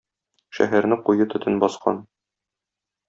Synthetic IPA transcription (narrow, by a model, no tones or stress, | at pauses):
ʃæ̰ɦæɾnɘqujɤt̪ɵ̆t̪ʰɘnbɒsqʰɑ̰n